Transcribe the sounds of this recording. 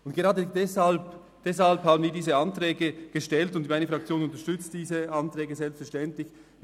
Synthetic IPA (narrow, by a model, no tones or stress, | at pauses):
ʊntɡ̥eʁɑːdədɛshalp | d̥ɛshalphaːbən̩viːɐdiːzəɑntʁɛːɡəɡ̥əʃtɛltʊntdimaɪnəfʁ̥ɑk̚t͡sjoːnʊntəʃtʏt͡std̥iːzəʔɑntʁɛːɡəzɛlpstfɛɐʃtɛntlɪç